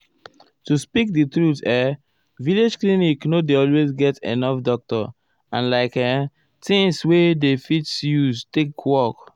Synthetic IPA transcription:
tuspik̚ditɹutɛ | viled͡ʒkliniknodeɔlwezɡɛtḛnɔfdɔk̚tɔ̰ | ã̰nlaɪkɛ | tĩŋswedefitsjustekwɔk

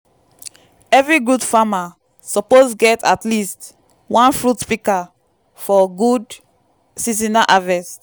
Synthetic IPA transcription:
ɛvɹiɡudfama | sɔposɡɛtʰatlist | wãnfɹutpika | fɔɡud | sizinaʔavɛs

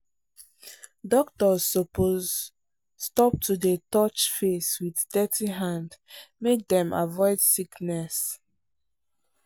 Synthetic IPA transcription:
dɔk̚tɔzːɔpʰoz | stɔp̚tʰudetɔt͡ʃfeswiðdɛtʰiɦãndmek̚dɛ̃ma̰vɔɪd̥siknɛs

